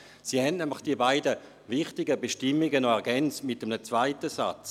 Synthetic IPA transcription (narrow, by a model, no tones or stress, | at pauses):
siːhɛnnɛmlɪχd̥iəbaɪdə | vɪχtɪɡəbeʃtɪmɪɡənɔɛʁɡɛnt͡stmɪtəmnət͡sv̥aɪtəsa̰t͡s